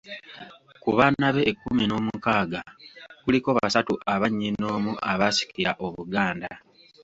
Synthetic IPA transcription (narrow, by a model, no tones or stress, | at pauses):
kuβaːnaβe̞ʔːkːumino̞ːmukaːɡakuliko̞ːββasatuaβaɲːino̞ːmuaβasi̥kiɾaʔo̞βuɡaːnda